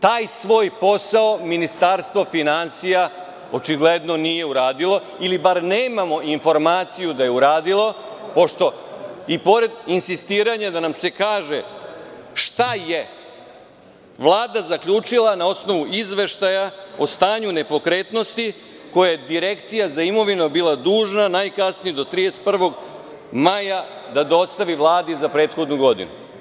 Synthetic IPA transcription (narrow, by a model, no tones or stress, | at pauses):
t̪aːjsʋo̞ːjpo̞saominist̪aɾst̪ʋo̞finansija | o̞t͡ʃiɡled̪no̞nije̞uɾaːd̪ilˠo̞ | ilibaɾneːmamo̞ʔinfo̞ɾmaːt̪sijud̪aje̞uɾaːd̪ilˠo̞ | po̞ʃt̪o̞ipo̞ɾe̞d̪insist̪iːɾaɲad̪anamse̞kaːʒe̞ | ʃt̪aje̞ | ʋlˠaːd̪azakʎʲuːt͡ʂilˠanao̞sno̞ʋuizʋe̞ʃt̪ajao̞st̪aːɲune̞po̞kɾe̞ːt̪no̞st̪i | ko̞jajed̪iɾe̞kt̪sijazaimo̞ʋinobiːlˠad̪uːʒnanajkasnijed̪o̞t̪ɾid̪eset̪̚pr̩ʋo̞ɡ | majad̪ad̪o̞st̪aʋiʋlˠaːd̪izapɾeːt̪xo̞d̪nuɡo̞d̪ḭnṵ